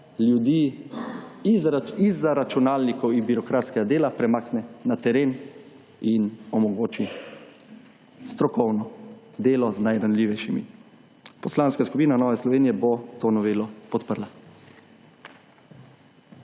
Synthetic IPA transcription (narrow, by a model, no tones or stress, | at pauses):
ljud̪iː | zizaɾat͡ʃunaːlnikɔwibiɾɔkɾaːt̪skɛɡad̪eːlapɾɛmaːknɛnat̪ɛɾeːn | inɔmɔɡoːt͡ʃi | st̪ɾɔkɔwnɔ | d̪eːlɔznajɾanliːʋɛjʃimḭ | pɔslaːnskaskupiːnanɔːʋɛslɔʋeːnijɛbot̪oːnɔʋeːlɔpɔt̪pəɾla